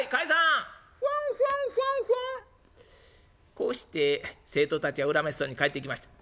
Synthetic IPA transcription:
ikaisã | sesẽsẽse | ko̞ːɕi̥t̪e̞se̞ːt̪o̞t̪at͡ɕiɡaɯ̟ɾamesɨ̥so̞ːɲ̟ikaet̪ːeikʲimaɕi̥t̪ḁ

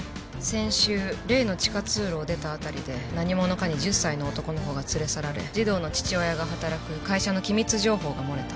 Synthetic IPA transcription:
sẽ̞ɰ̃ɕɨːɾe̞ːno̞t͡ɕi̥kat͡sɨːɾo̞ːd̪e̞t̪aːt̪aɾʲid̪e̞naɲ̟imo̞no̞kaɲ̟iʑɨsːaino̞ːt̪o̞ko̞no̞ɦo̞ːɡat͡sɨɾe̞saɾaɾe̞̰d͡ʑid̪o̞ːno̞t͡ɕi̥t͡ɕiojaɡaɦat̪aɾakɯ̟kaiɕano̞kʲimʲit͡sɨʑo̞ːɦo̞ːɡamo̞ɾe̞t̪ḁ

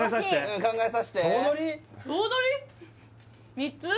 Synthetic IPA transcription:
asaɕi̥t̪eɯ̃kãŋɡaesaɕi̥t̪eonoɾʲioːnoɾʲi | mʲit͡sɨ

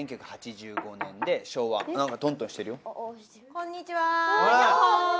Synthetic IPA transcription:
ẽŋkʲakɯ̟hat͡ɕiʑɨːɡo̞nẽ̞nd̪e̞ɕo̞ːβa̰nãŋkat̪õ̞nt̪õɕi̥t̪e̞ɾɯ̟jo | kõɲːit͡ɕiβaa

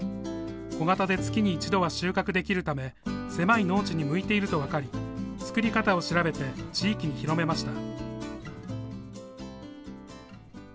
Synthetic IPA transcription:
o̞ɡat̪ad̪e̞t͡sɨ̥kʲiɲ̟iːt͡ɕid̪o̞βaɕɨːkakɯ̟d̪e̞kʲiɾɯ̟t̪ame̞se̞maino̞ːt͡ɕiɲ̟imɯ̟it̪e̞iɾɯ̟t̪o̞βakaɾʲit͡sɨ̥kɯ̟ɾʲikat̪ao̞ɕiɾabe̞t̪e̞t͡ɕiːkʲiɲ̟içiɾo̞me̞maɕi̥t̪a

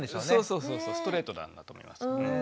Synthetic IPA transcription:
nd̪eɕoːsnoːsoːsoːsoːsɨ̥t̪o̞ɾe̞ːt̪od̪ã̰nːa̰t̪omoḭma̰s

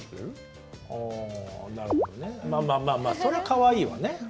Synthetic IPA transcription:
ɾɯ | aːnaɾɯod̪onemaːmaːmaːmaːso̞ɾe̞akaβaiːβa̰ne̞

